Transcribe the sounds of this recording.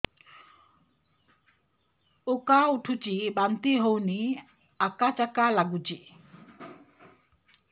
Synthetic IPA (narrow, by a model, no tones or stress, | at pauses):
okauʈʰut͡ʃibant̪iɦowni | akat͡ʃakalaɡut͡ʃi